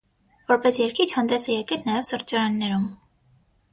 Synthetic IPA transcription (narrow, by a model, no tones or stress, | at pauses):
vɔɾpɛsjɛɾkʰit͡ʃʰhɑnd̪ɛsɛjɛkɛlnɑjɛvsəɾt͡ʃɑɾɑnːɛɾum